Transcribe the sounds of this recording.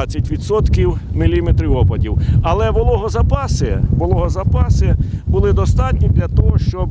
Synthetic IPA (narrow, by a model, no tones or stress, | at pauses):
t͡sʲːɐtʲʋʲid̪sɔt̪kʲiwmɪlʲimet̪ɾɪɔpɐdʲiwɐlˠɛʋɔlˠɔɦɔzɐpɑsɪʋɔlˠɔɦɔzɐpɑsɪbʊlˠɪd̪ɔst̪ɑtʲnʲid̪lʲɐt̪ɔɦɔʃt͡ʃɔb